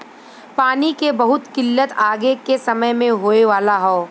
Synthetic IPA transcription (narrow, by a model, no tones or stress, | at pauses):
paːnikebɐɦʊt̪kɪlːət̪aːɡekesɐməjmẽɦoːeʋaːlaɦoː